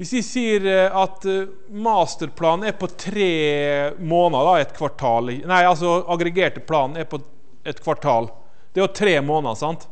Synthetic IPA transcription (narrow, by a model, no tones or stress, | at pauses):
ʋɪsd̪ɪsiːəɾɑt̪ | mɑːst̪əɾpʰlɑːnn̩æɾpɔt̪ʰɾeːmoːnɑd̪ɑɛt̪kʰʋɑʈʰɑːlnæɪɑls̬ɔɑɡɾɛɡeːʈəpʰlɑːnnæɾpɔ | ɛt̪kʰʋɑʈʰɑːl | d̪̥ɛæɾjʊt̪ʰɾeːmoːnɑsɑnt̪